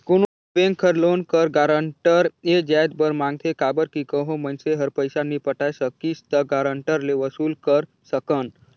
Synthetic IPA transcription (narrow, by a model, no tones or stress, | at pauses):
kuno | bẽŋkʰəɾlonkəɾɡaɾəɳʈəɾed͡ʒajd̪bəɾmãŋɡ̚t̪ʰekaːbəɾkikəɦõmənseɦəɾpəjsanipəʈajsəkist̪əɡaɾəɳʈəɾleʋəsulkəɾ | səkən